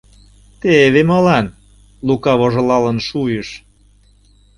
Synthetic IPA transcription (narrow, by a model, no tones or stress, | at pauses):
t̪eβemɤlɑn | lukɑβoʒɤ̆lɑlə̆nʃujəʃ